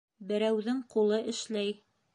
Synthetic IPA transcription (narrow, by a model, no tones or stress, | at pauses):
bɘ̆ɾæwðɘŋqulˠɤʔɘ̆ʃlæj